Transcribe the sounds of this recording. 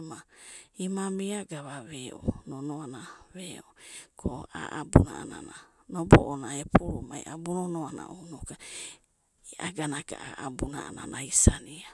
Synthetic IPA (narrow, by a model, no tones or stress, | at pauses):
maimamiaɡaβaβeo̰nonoanaβeokoa̰ʔabunaanananobo̰ʔonaepuɾomajʔabunonoana̰ʔonoka | aɡanaɡa̰aʔabunaananaisania